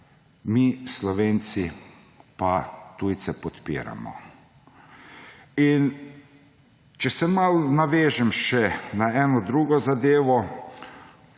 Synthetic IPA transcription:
mislɔʋeːnt̪si | pat̪ujt̪sɛpɔt̪pḭːɾa̰mɔ̰ | in | t͡ʃɛsɛmalnaʋeːʒɛmʃɛnaɛːnɔd̪ɾuːɡɔzad̪eːʋɔ

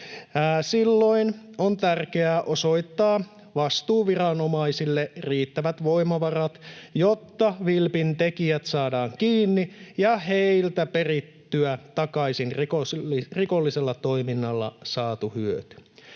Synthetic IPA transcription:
silːo̞inont̪ærkeæːʔo̞so̞jt̪ːɑː | ʋɑst̪uːʋirɑnomɑisilːeriːt̪ːæʋæt̪ʋo̞imɑʋɑrɑt̪jot̪ːɑʋilpint̪e̞kiæt̪sɑːdɑːŋk̟iːnːijɑheijlt̪æpe̞rit̪ːyæt̪ɑkɑisinrkoriko̞lːiselːɑt̪o̞iminːɑlːɑ̰sɑːt̪uhyøt̪y̥

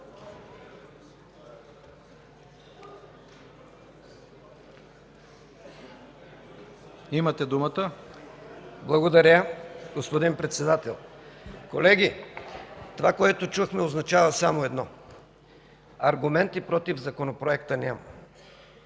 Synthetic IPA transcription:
imɐt̪ɛd̪umət̪ə | blˠɐɡod̪ɐɾʲaɡospod̪inpɾɛt̪sɛd̪at̪ɛlˠkolɛɡʲi | t̪ovakoɛt̪ot͡ʃuxmɛoznɐt͡ʃavəsamoɛd̪nɔ | ɐɾɡʊmɛnt̪ipɾɔt̪ivzɐkonopɾoɛkt̪ənʲamɐ̰

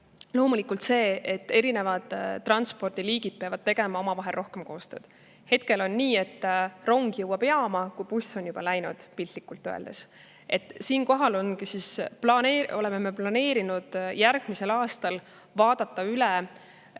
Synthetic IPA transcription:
lo̞ːmulikˑult̪se̞ːet̪ːe̞ɾine̞vɑd̪̥t̪ːrɑnspo̞rd̪̥iliːɡ̥id̪̥̚pe̞ɑvɑd̪̥̚t̪e̞ɡ̥e̞mɑo̞mɑvɑɦelro̞hke̞mko̞ːst̪øːd̪̥ | he̞t̪̚ke̞lo̞nːiːe̞t̪ːro̞ŋɡ̥jɤwːɑb̥e̞ɑmɑkujpusːo̞njub̥ɑlæjnud̪̥pilʲt̪likːˑult̪ːˑøḛld̪e̞s | e̞t̪ːˑsiːnko̞ɦɑlo̞nkisisplɑneo̞̰le̞meme̞plɑne̞ːɾinud̪̥jæɾɡ̥mise̞lɑːst̪ɑl | vɑːd̪̥ɑt̪ˑːɑylɛ

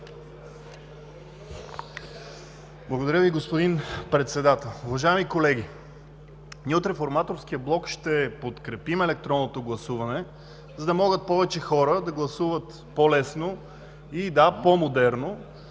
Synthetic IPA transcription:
blˠɐɡod̪ɐɾʲjəviɡospod̪inpɾɛt̪sɛd̪at̪ɛlˠuvɐʒaɛmikolɛɡ̟ʲi | niot̪ɾɛfoɾmat̪oɾsk̟ijəblˠɔkʃt̪ɛpot̪kɾɛpimɛlɛk̚t̪ɾɔnːot̪oɡlˠɐsuvɐnɛ | zɐd̪ɐmɔɡət̪̚pɔvɛt͡ʃɛxɔɾəd̪ɐɡlˠɐsuvət̪ | polɛsno | id̪apomod̪ɛɾno

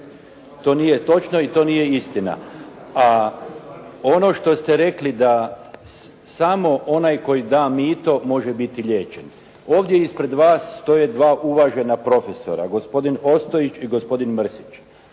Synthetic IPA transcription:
t̪o̞ːnijet̪o̞t͡ʃno̞it̪o̞ːnije̞ist̪ina̰a | ono̞ʃt̪o̞st̪e̞ɾe̞klid̪a | samo̞ʔo̞najko̞jid̪aːmiːt̪o̞mo̞ʒe̞bit̪iʎʲe̞ːt͡ɕen | o̞ːʋd̪je̞ispɾe̞d̪ʋaːsːt̪o̞je̞d̪ʋaːʔuʋaʒe̞napɾo̞feso̞̰ɾa̰ɡo̞spo̞d̪ino̞st̪o̞it͡ʃiɡo̞spo̞d̪inmr̩sit͡ʃ

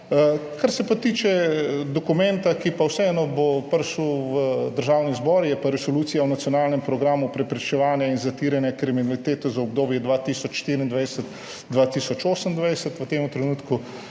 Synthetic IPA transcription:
əkaɾsɛpat̪iːt͡ʃɛd̪ɔkumɛnt̪akipawsɛɛnɔbopəɾʃuʋəd̪əɾʒaːwnizbɔɾjɛpaɾɛsoluːtsijawnat̪sjonaːlnɛmpɾɔɡɾaːmupɾɛpɾit͡ʃɛʋaːnjainzat̪iːɾjɛnjɛkɾiminalit̪eːt̪ɔzaɔb̚d̪oːbjɛd̪ʋat̪iːsɔt͡ʃʃt̪iːɾiːnd̪ʋajsət̪ | d̪ʋat̪iːsɔt͡ʃoːsənd̪ʋajsət̪ʋət̪eːmut̪ɾɛnuːt̪ku

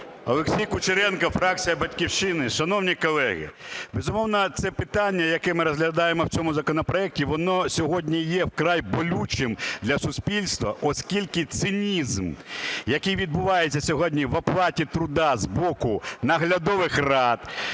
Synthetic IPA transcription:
ɐ̰lˠeksʲijkʊt͡ʃɪɾɛnkɐfɾɑk̚t͡sʲijɐbɐtʲkʲiwʃt͡ʃɪnɪʃɐnɔwnʲikɔlˠɛɦɪ̰bezʊmɔwnɐt̪sɛpɪt̪anʲːɐjɐkɛmɪɾɔzɦlʲɐd̪ɑjemɔwt͡sʲɔmʊzɐkɔnɔpɾɔɛk̚tʲiʋɔnɔsʲɔɦɔdʲnʲijɛwkɾajbɔlʲut͡ʃɪmd̪lʲɐsʊspʲilʲst̪ʋɐʔɔskʲilʲkɪt̪sɪnʲizmjɐkɪjʋʲid̪̚bʊʋɑjett͡sʲːɐsʲɔɦɔdʲnʲiʋɐplˠɑtʲit̪ɾʊd̪ɑzbɔkʊnɐɦlʲɐd̪ɔʋɪxrɑd̪

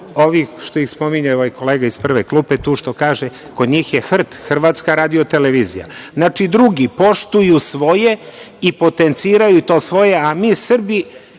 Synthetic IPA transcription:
o̞ʋiʃt̪oixspo̞miɲaoʋojko̞leːɡaispr̩ʋeklˠuːpet̪uːʃt̪o̞kaːʒe | ko̞d̪ɲiːxjexr̩t̪xr̩ʋaːt̪skaɾaːd̪io̞t̪e̞leʋiːzḭja̰znat͡ʃid̪ɾuɡipo̞ʃt̪ujusʋo̞je̞ipo̞t̪ent̪siːɾajut̪o̞ːsʋo̞je̞amiːsr̩bi

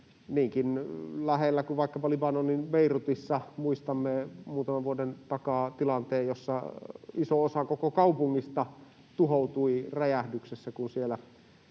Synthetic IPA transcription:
niːŋkinlæhelːækuʋʋɑˑikːɑpɑlibɑnonːinʋeˑirut̪isːɑmuist̪ɑmːemuːt̪ɑmɑʋʋuodent̪ɑkɑːt̪ilɑnt̪eːjjosːɑisoosɑkokokɑupuŋːist̪ɑ | t̪uhout̪uiræjæhdyksesːækunsielæ

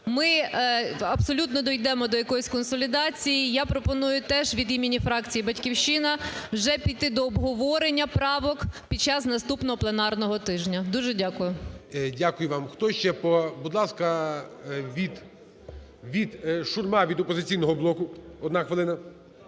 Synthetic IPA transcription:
mɪ | ɐpsɔlʲut̪nɔd̪ɔjd̪ɛmɔd̪ɔjɐkɔjisʲkɔnsɔlʲid̪ɑt͡sʲijijapɾɔpɔnujʊt̪ɛʒʋʲid̪imʲinʲifɾɑkt͡sʲijibɐtʲkʲiwʃɪnɐwʒɛpʲit̪ɪd̪ɔːbɦɔʋɔɾenʲːɐpɾɑʋɔkpʲid̪̚ʲt͡ʃɑznɐst̪upnɔɦɔplˠenɑrnɔɦɔt̪ɪʒnʲɐd̪uʒɛdʲakʊjʊdʲakʊjʊʋɑmxt̪ɔʃt͡ʃɛpɔbud̪lˠɑskɐ | ʋʲid̪ | ʋʲid̪ʃʊrmɑʋʲid̪ɔpɔzɪt͡sʲijnɔɦɔblˠɔkʊɔd̪naxʋelˠɪnɐ

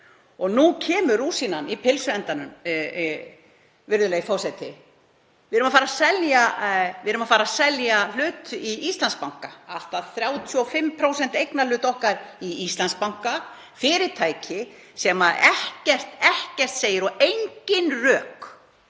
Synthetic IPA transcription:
ɔɣnucʰɛːmʏɾuːsinanipʰɪlsʏɛnt̪anʏm | vɪɾðʏlɛɣifawsajt̪ɪ | vɪðɾʏmafaːɾasɛljaɪðɾʏmafaːɾasɛljal̥ʏːt̪iist̪lanspawŋ̥kaal̥t̪aðθɾjaːwt̪ʰjɔfɪmpʰɾowsɛn̥t̪ejknalʏːt̪ɔhkaɾiist̪lanspawŋ̥ka | fɪːɾɪɾt̪ʰaːjcʰɪ | sɛmaɛhcɛr̥t̪ɛhcɛr̥t̪seːjɪɾɔʔejɲcɪnrœːk

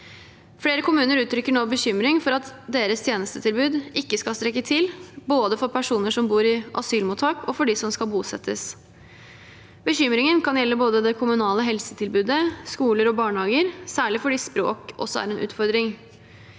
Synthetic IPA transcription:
fɽeːɾəkʊmʉːnəɾʉːt̪ʰɾʏkːəɳɔːbəçʏmɾɪŋfɔɾɑt̪d̪eːɾəst̪ʰjeːnəst̪ʰət̪ʰɪlbʉːd̪ɪkːəskɑlst̪ɾɛkːət̪ʰɪlboːd̪əfɔɾpʰæʂuːnəʂɔmbuːɾɪʔɑsyːlmuːt̪ʰːɑːkʰɔfɔɖɪsɔmskɑlbuːsɛt̪ʰːəs | bəçʏmɾɪŋənkʰɑnjɛlːəboːd̪əd̪ɛkʰʊmʉnɑːləɦɛlsət̪ʰɪlbʉːd̪əskuːləɾɔbɑːɳhɑːɡəɾsæːɭɪfɔɖɪspɾo̰ːkɔ̰sːɔæ̰ɾɛnʔʉ̰ːt̪fɔɾd̪ɾɪŋ

